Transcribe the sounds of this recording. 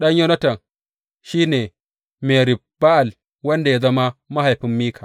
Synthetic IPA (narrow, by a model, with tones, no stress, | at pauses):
ɗɐ˦ɲjo˦nɐ˦tɐ˨ŋ | ʃiː˦neː˨ | me˨ɾi˨b̥a˦ʔa˨l | wɐ˦nda˨ja˦zɐ˦ma˦ma˦ha˨jɸi˦mːiː˦kʰḁ˨